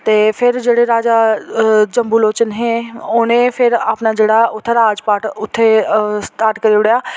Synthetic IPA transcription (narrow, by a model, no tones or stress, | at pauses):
t̪eːpʰɪɾd͡ʒeːɽeɾaːd͡ʒaːd͡ʒəmbuːloːt͡ʃənɦẽːoːnẽːpʰɪɾaːpnaːd͡ʒeːɽaːʊt̪ʰːeɾaːd͡ʒpaːʈʊt̪ʰːeːsʈ̪aːɾʈkəɾiʊɽjaː